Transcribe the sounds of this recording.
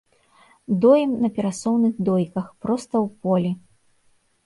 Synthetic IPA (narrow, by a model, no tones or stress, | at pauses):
d̪ɔjɛmnɐpʲɛɾasɔwnɨɣd̪ɔjkɐxpɾɔst̪ɐwpɔlʲi